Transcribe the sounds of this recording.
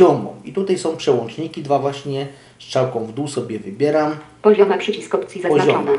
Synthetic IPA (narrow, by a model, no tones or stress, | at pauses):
ɔmbɔ̰̃mit̪ut̪ajsɔ̃w̃pʂɛwɔ̃nt͡ʂɲikʲid̪vavwaɕɲɛ | st͡ʂawkɔ̃w̃vd̪usɔbʲjɛvɘbʲjɛɾampɔʑɔmɛpʂɛt͡ɕiskɔpt̪sʲjizapɔɔɔnɛ